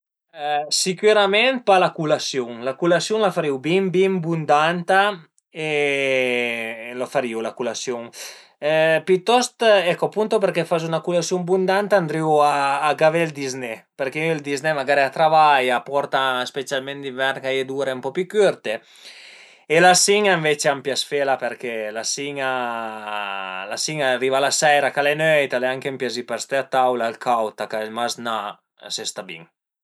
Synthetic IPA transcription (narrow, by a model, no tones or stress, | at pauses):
sikyɾamɛnt̪̚palakulasjuŋlakulasjuŋlafaɾiwbimbimbund̪ant̪a | e | lofaɾiwlakulasjuŋ | pit̪ːɔst̪ɛkːopunt̪opeɾkefazunakulasjuŋbund̪ant̪aːnd̪ɾiwaːɡavɛld̪iznɛpeɾkeild̪iznemaɡaɾiat̪ɾavajapɔɾt̪aspet͡sjalment̪d̪ivɛɾɡajed̪uɾempɔpykyɾt̪e | elasiɲaiɱvet͡ʃeampjasfelapeɾkelasiɲa | lasiŋariːvalasɛjɾakalenœjt̪aleaŋkempjazipaɾst̪eat̪awlalkʰawt̪akaɛmazna | sest̪abḭŋ